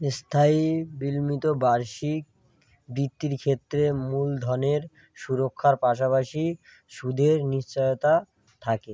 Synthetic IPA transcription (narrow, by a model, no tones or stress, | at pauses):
st̪ʰaibilmit̪obaɾʃik̚ | bɾit̪ːiɾkʰet̪ːɾemuld̪ʱɔneɾ | ʃuɾokʰːaɾpaʃ̬apaʃi | ʃud̪ʱeɾniʃt͡ɕajot̪a | t̪ʰake